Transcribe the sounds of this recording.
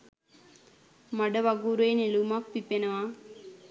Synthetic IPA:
mɐɽɐʋɐɡuɾeːnilumapːipːenɐʋaː

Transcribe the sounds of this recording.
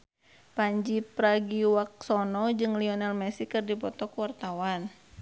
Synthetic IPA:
paɲd͡ʒipɾaɡiwak̚sɔnɔd͡ʒɨŋliɔnalmɛsikɨrdipɔt̪ɔkuwart̪awan

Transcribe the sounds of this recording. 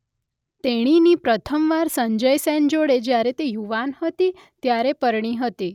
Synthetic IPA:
t̪eɽ̃inipɾət̪ʰəmʋaɾsəɲd͡ʒəjsɛnd͡ʒoɽed͡ʒjaɾet̪ejuʋanhət̪i | t̪jaɾepəɾɳ̃iɦət̪i

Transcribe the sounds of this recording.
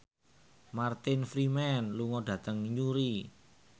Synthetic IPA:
mart̪ɪnfɾimɛnluŋɔɖ̥ä̤t̪əŋɲuɾi

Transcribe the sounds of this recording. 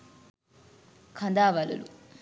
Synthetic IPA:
kʰɐnd̪aːʋɐlṵlṵ

